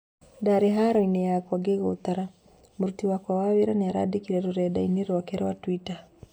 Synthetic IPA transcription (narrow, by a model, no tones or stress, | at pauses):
daɾeɦaɾɔinejakwaɡeɣot̪aɾa | moɾutiwakwawaβeɾaneaɾa̰dikiɾɛɾoɾɛdaineɾwakɛɾwatwita